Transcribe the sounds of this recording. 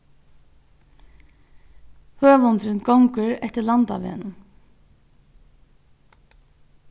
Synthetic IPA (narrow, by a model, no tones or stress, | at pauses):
høːʋʊnt̪ɾɪnɡɔwŋkəɹɛht̪ɪlant̪a̰ʋḛːnə